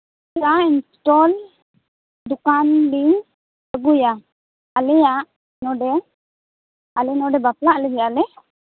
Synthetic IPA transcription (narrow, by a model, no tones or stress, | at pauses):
ɾainsʈɔl | dukanli | əɡuja | alɛjaʔ | nɔɖɛ | alɛnɔɖɛbaplaʔlɛd͡ʒɛjalɛ